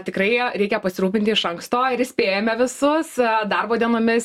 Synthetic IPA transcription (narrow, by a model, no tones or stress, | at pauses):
t̪ʲɪkɾɐɪɾʲɛɪkʲɛpɐsʲɪɾuːpʲɪnʲt̪ʲɪɪʃɐŋkst̪oːɪɾɪsʲpʲeːjɛmʲɛʋʲɪsʊssd̪ɐrboːd̪ʲiɛnoːmʲɪs